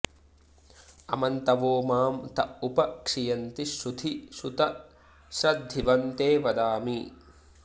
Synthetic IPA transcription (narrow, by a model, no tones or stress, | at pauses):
ɐmɐnt̪ɐʋoːmaːmt̪ɐupɐkʂijɐnt̪iʃud̪ʰʱiʃut̪ɐ | ʃɾɐd̪ʱːiʋɐnt̪eːʋɐd̪aːmi